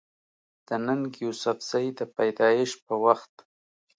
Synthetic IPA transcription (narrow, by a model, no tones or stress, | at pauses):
d̪̥ənanɡjusafz̥ajd̪əpajd̪ɑjɪʃpəwaxt̪